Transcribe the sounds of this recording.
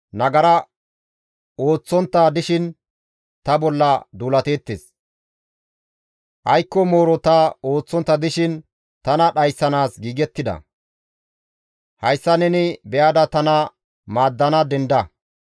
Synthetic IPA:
nɐɡɐɾɐ | o̞ːt͡sːɔnt̪ːaːd̪ɪʃɪn | t̪ɐbɔlːɐd̪uːlɐt̪e̞ːt̪ːes | ʔɐjkːɔmo̞ːɾɔt̪ao̞ːt͡sːɔnt̪ːɐd̪ɪʃɪn | t̪ɐnɐɗɐjsːɐnaːsɡiːɡɛt̪ːɪd̪ɐ̰ | hɐjsːɐnɛnɪbɛjaːd̪ɐt̪ɐnɐ | maːd̪ːɐnɐd̪ɛnd̪ɐ

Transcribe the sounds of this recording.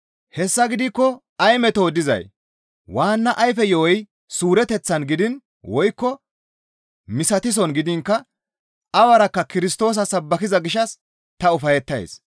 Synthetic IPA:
hɛsːɐɡɪd̪ɪkːɔ | ɐjmɛt̪oːd̪ɪzɐ̰j | waːnːɐʔɐjfɛjoːɔj | suːɾɛt̪ɛt͡sːɐnɡɪd̪ɪn | wɔjkːɔ | mɪsɐt̪ɪs̬ɔnɡɪd̪ɪŋkːɐ | ɐwɐɾɐkːɐkɪɾɪst̪o̞ːs̬ɐsɐbːɐkɪzɐɡɪʃɐs | t̪ɐʊfɐjɛt̪ːɐj̰s

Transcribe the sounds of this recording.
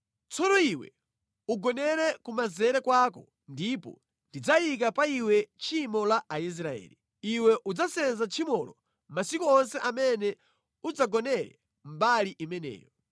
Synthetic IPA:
t͡sɔnɔiwɛ̰ | uɡɔnɛɾɛkumazɛɾɛkwakɔ | ndipɔ̰ | ndid͡zajik̬apaiwɛt͡ʃʰimɔlaʔais̬ɾaɛ̰ːli | iwɛʔud͡zasɛnzat͡ʃʰimɔlɔ | masikuɔnsɛʔamɛnɛ | ud͡zaɡɔnɛɾɛ̰ | mbaliʔimɛnɛ̰ːjɔ

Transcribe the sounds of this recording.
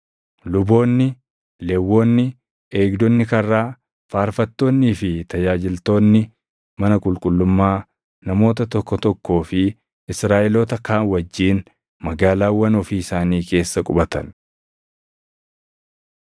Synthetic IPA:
lʊbo̞ːnːɪ | lewːo̞ːnːɪ | e̞ːɡd̪ɔnːɪkɐrːaː | faːɾfɐt̪ːo̞ːnːiːfɪt̪ɐd͡ʒaːd͡ʒɪlt̪o̞ːnːɪ | mɐnɐkʼʊlkʼʊlːʊmːaː | nɐmo̞ːt̪ɐt̪ɔkːɔt̪ɔkːo̞ːfɪ | ɪsɾaːʔɛloːt̪ɐkaːnwɐd͡ʒːiːn | mɐɡaːlaːwːɐnɔfiːɪsaːniːke̞ːsːɐkʼʊbɐt̪ɐn

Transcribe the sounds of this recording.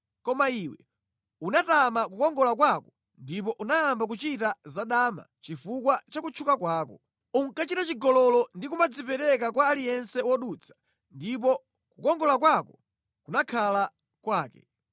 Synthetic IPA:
kɔmaiwɛ̰ | unatamak̬ukɔŋɡɔlak̬wakɔ | ndip̬ɔʔunajambak̬ut͡ʃitazaɗama̰t͡ʃifukwat͡ʃakut͡ʃʰukakwaːkɔ | uŋ̩kat͡ʃitat͡ʃiɡɔlɔlɔndikumad͡zipɛɾɛk̬akwaːlijɛnsɛwɔɗut͡sʰḁ | ndip̬ɔ | kukɔŋɡɔlakwakɔ̥ | kunakʰala | kwaːkɛ̰

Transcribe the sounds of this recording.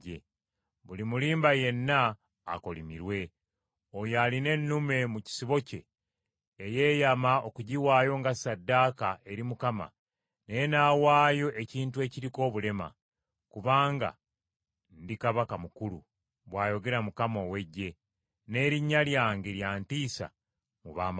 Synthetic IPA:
e | βulimuliːmbaje̞nːa̰ː | ko̞limiɾwe̞ | ojaline̞nːume̞muci̥siβo̞ce̞ː | je̞ːjamao̞kuɟiwaːjo̞ŋɡasadːaːkae̞ɾimukama̰ | nejenaːwaːjo̞ʔe̞ciːntue̞ciɾiko̞ːβule̞ma̰ | kuβaːŋɡa̰ | ndikaβakamukulṵ | βwaːjo̞ɡe̞ɾamukamo̞ːwe̞ɟːe̞ | ne̞ːɾiɲːaljaːŋɡeɾjaːntiːsa̰ | muβaːma

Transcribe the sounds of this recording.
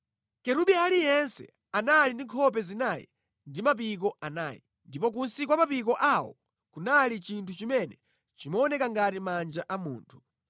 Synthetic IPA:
kɛɾuɓialijɛnsɛ̰ | analindiŋkʰɔp̬ɛzinaːjḭ | ndimap̬ik̬ɔʔanaːjḭ | ndip̬ɔk̬unsik̬wamapik̬ɔʔawɔ̰ | kunalit͡ʃintʰut͡ʃimɛnɛ | t͡ʃimaɔnɛkaŋɡatimand͡ʒaʔamuːntʰu̥

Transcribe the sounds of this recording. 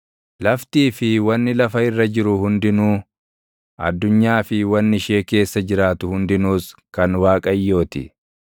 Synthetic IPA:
lɐft̪iːfɪwɐnːɪlɐfɐɪrːɐd͡ʒɪɾʊhʊnd̪ɪnuː | ʔɐ̰d̪ːʊɲːaːfɪwɐnːɪʃe̞ːke̞ːsːɐd͡ʒɪɾaːt̪ʊhʊnd̪ɪnuːskɐnwaːkʼɐjːo̞ːt̪ɪ̰

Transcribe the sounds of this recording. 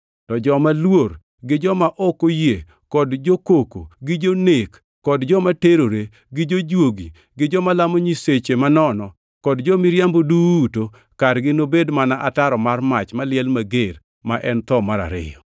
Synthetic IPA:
tɔd͡ʒɔmalwoɾ | ɡɪd͡ʒɔmaʔɔkoje | kɔdd͡ʒokoko̰ɡɪd͡ʒonekːɔdd͡ʒɔmateɾoɾe | ɡɪd͡ʒod͡ʒwoɡi | ɡɪd͡ʒɔmalamoɲiset͡ʃemanɔnɔ | kɔdd͡ʒɔmɪɾjamboduːto | kaɾɡɪnobedmanaʔataɾɔmarmat͡ʃmalɪɛlmaɡeɾ | maʔɛnt̪ɔmaɾa̰ɾɪ̰jɔ

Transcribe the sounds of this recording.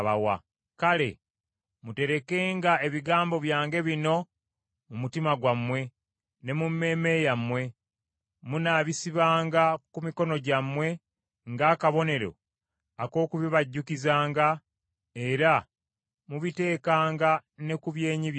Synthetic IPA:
βawa̰ | kale̞̰ | mute̞ɾe̞ke̞ːŋɡae̞βiɡaːmbo̞βjaːŋɡe̞βino̞ | mumutimaɡwamːwe̞ | ne̞mumːe̞ːme̞jamwe̞ | munaːβisiβaːŋɡakumiko̞no̞ɟamwe̞ | ŋɡaːkaβo̞ne̞ɾo̞̰ | ako̞ːkuβiβaɟːukizaːŋɡa | e̞ɾa | muβite̞ːkaːŋɡane̞kuβje̞ːɲi

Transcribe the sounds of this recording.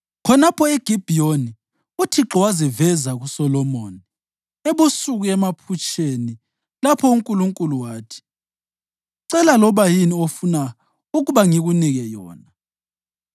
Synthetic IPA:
kʰɔnapʰɔeɡ̥ʱib̥ʱijoni | utʰiǁɔwazivɛzaɣusɔlɔmoːni | eβusuɣuɛmapʰut͡ʃʼeni | lapʰɔuŋkʼuluŋkʼuluwaːtʰi̥ | ǀɛlalɔβajiniofuna | uɣuβaŋiɣuniɣɛjɔːna

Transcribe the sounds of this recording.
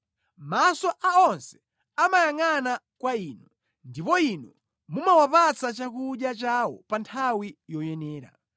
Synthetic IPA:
masɔʔaɔnsɛ̥ | amajaŋana | kwaiːnu | ndipɔinɔ | mumawapat͡sat͡ʃakuɗjat͡ʃawɔpantʰawijɔjɛnɛːɾa̰

